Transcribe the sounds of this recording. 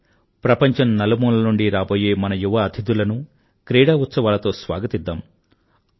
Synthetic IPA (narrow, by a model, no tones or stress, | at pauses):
pɾɐpɐɲt͡ʃɐmnɐlɐmuːlɐnuɳɖiɾaːbo̞ːje̞ːmɐnɐjuʋɐːd̪ʰid̪ulɐnu | kɾeːɽaːut̪sɐʋaːlɐt̪o̞ːsʋa̰ːɡɐt̪id̪ːaːm